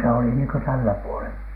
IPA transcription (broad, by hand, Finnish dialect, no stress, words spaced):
se oli niːŋkø tælːæ puolen